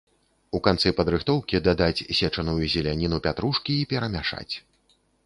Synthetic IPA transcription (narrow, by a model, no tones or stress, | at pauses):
ukant̪sɨpɐd̪ɾɨxt̪ɔwkʲid̪ad̪at͡sʲsʲɛt͡ʂɐnujuzʲɛlʲanʲin̪upʲat̪ɾuʂkʲiːpʲɛɾɐmʲaʂa̰t͡sʲ